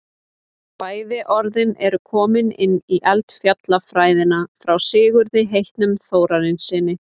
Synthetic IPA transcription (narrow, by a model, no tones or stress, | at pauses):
paːjðɪʔɔɾðɪnɛɾʏkʰɔːmɪnɪnːiʔɛlt̪fjat̪lafɾaːjðɪnafɾawsɪːɣʏɾðɪɦejht̪nʏmθoːwɾaɾɪnsɪːnːɪ